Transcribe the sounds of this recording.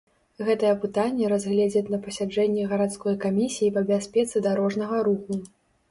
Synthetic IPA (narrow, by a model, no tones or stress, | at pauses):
ɣɛt̪ɐjɛpɨt̪anʲːɛɾazʲɣlʲɛd͡zʲɐt̪ʲnɐpɐsʲad͡ʐɛnʲːɛɣɐɾat̪skɔjkamʲisʲijipɐbʲasʲpʲɛt̪sɨd̪aɾɔʐnɐɣɐɾuxu